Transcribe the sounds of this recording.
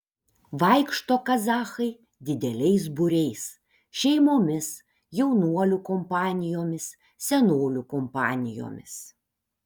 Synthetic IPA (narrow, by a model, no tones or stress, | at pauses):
ʋɐɪkʃt̪oːkɐzɑːxɐɪ | d̪ʲɪd̪ʲɛlʲɛɪs̬bʊɾʲɛɪs | ʃʲɛɪmoːmʲɪs | jɛʊnuɔlʲʊkɔmpɑːnʲɪjoːmʲɪs | sʲɛnoːlʲʊkɔmpɑ̰ːnʲɪjo̰ːmʲɪ̰s